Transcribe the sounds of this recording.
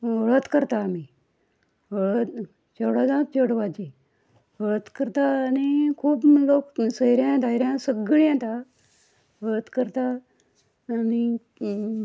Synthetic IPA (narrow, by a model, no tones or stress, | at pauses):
ʋəɭət̪kəɾt̪aːmi | əɭət̪ | t͡ɕoɽad͡zãt̪̚t͡ɕəɽʋad͡ʑi | ʋəɭət̪kəɾt̪aːnikʰuːploksəiɾjãd̪ajɾjãsəɡɭjãt̪a | ʋəɭət̪kəɾt̪aː | ni